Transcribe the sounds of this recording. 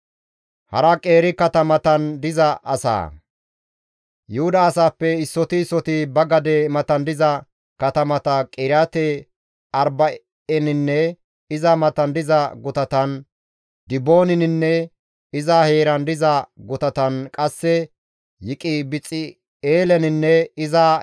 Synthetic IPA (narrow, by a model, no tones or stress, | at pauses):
hɐɾɐkʼe̞ːɾɪkɐt̪ɐmɐt̪ɐnd̪ɪzɐʔɐsa̰ː | jʊhʊd̪ɐːsaːpːɛɪsːɔt̪ɪsːɔt̪ɪbɐɡɐd̪ɛmɐt̪ɐnd̪ɪzɐ | kɐt̪ɐmɐt̪ɐkʼɪɾjaːt̪ɛ | ɐɾbɐ | ɛnɪnːɛ | ɪzɐmɐt̪ɐnd̪ɪzɐɡʊt̪ɐt̪ɐn | d̪ɪboːnɪnɪnːɛ | ɪzahe̞ːɾɐnd̪ɪzɐɡʊt̪ɐt̪ɐnkʼɐsːɛ | jɪkʼɪbɪt͡sʼːɪ | eːlɛnɪnːɛɪza